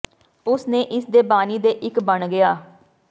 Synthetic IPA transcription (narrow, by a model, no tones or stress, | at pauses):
ʊsnẽːʔɪsd̪eːbaːniːd̪eːʔɪkbəɳɡɪaː